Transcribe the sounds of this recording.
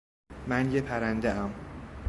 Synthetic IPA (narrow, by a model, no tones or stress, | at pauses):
mænjepʰæɾænd̪eæm